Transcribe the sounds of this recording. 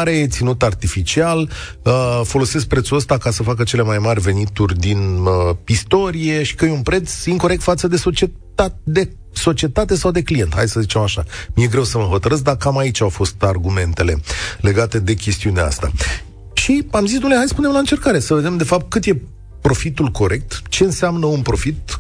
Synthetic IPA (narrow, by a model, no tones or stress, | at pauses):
ɾe̞t̪sinut̪art̪ifit͡ʃial | əfo̞lo̞se̞s̬k̚pɾet̪suəst̪akasəfak̬ət͡ʃe̞le̞majmarʲve̞nit̪urʲd̪inəist̪o̞ɾije̞ʃi̥kəjeunpɾe̞t̪siŋko̞ɾe̞k̚t̪fat̪səd̪e̞sot͡ʃe | ad̪e | so̞t͡ʃie̞t̪at̪e̞sawd̪e̞klije̞nt̪ha̰j̪səzit͡ʃe̞maʃamije̞ɡɾe̞wsəməɦo̞t̪əɾɨs̬d̪akamait͡ʃʲawfo̞st̪arɡume̞nt̪e̞le̞̰le̞ɡat̪e̞d̪e̞kʲe̞st̪iuneaa̰st̪a̰ | ʃiamzisd̪umleɦajspune̞mlaɨnt͡ʃe̞rkaɾe̞səve̞d̪e̞md̪e̞fap̚t̪̚kɨt̪je̞ | pɾo̞fit̪ulko̞ɾʔe̞k̚t̪t͡ʃe̞ɨnsamnəunpɾo̞fit̪̚